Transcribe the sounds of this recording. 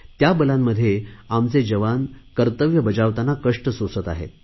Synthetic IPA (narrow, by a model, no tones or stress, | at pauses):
t̪jabəlamːəd̪ʱːjeamt͡sed͡ʑəʋankəɾt̪əʋjəbəd͡zaʋt̪anakəʂʈəsosət̪a̰ɦḛt̪